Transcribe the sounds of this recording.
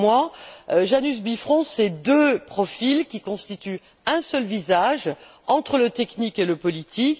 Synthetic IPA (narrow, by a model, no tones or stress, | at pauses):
mwaʒanys̬bifχɔ̃sɛd̪øpχɔfilkʲikɔ̃st̪it̪y | ɛ̃sœlvizaʒɑ̃t̪χələt̪ɛknikeləpɔlit̪ik